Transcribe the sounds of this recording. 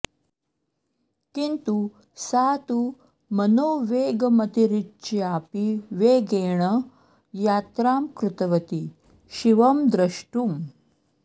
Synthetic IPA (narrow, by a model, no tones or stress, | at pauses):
kint̪u | saːt̪u | mɐnoːʋeːɡmɐt̪iɾitːt͡ʃiaːpiʋeːɡeːɳə | jaːt̪ɾaːmkɾut̪ɐʋɐt̪i | ɕiʋɐmd̪ɾɐʂʈum